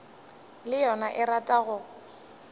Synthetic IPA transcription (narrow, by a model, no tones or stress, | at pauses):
lɪjɔnaʔɪratʼaɣʊ